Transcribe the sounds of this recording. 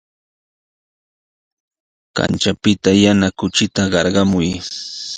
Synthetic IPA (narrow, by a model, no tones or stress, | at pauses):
ka̰nt͡ʃapɪt̪ajanakʊt͡ʃɪt̪aɢɑɾɢɑmʊj